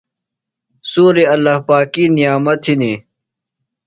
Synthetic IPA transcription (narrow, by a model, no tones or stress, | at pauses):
suːɾeɐlːahpaːkiːnijaːmɐt̪hini